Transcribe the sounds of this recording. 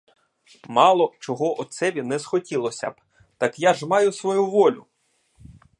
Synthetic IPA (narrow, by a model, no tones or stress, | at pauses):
mɑlˠɔt͡ʃɔɦɔʔɔsɛʋʲinɛzxɔtʲilˠɔsʲɐ̰b̥ | t̪ɑkjaʒmɑjʊsʋɔjuʋɔlʲʊ